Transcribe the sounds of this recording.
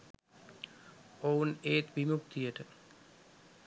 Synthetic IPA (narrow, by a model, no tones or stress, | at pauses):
owneːt̪ʋimukt̪ijəʈə